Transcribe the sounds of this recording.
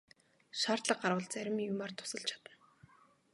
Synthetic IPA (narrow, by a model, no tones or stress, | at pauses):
ʃaːrt̪ɮə̆q̚ɢaɾwə̆ɮt͡sæɾʲɪ̆mjumart̪ʰʊ̥sə̆ɬt͡ɕʰḁt̪ə̆n